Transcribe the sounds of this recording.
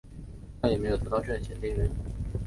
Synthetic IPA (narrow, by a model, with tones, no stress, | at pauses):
jme˧˥ɪjt̪ɤ˧˥t̪ʈ͡ʂɤ˥˩ə˩ɕʰjɛ˨˥nt̪i˥ŋɻə˧˥n